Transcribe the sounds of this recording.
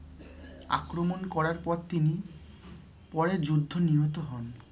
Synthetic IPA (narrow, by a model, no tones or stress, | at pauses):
a̰kɾomonkɔɾaɾpɔɾt̪ini | pɔɾeɾd͡ʑud̪ʱːoniɦot̪oɦɔn